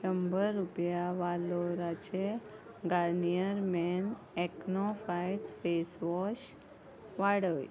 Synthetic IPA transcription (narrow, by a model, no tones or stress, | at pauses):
əmbəɾːupjaʋaloɾat͡ɕe | ɡaɾnijəɾmɛn | ɛknɔfajfesʋɔʃ | ʋaɽəj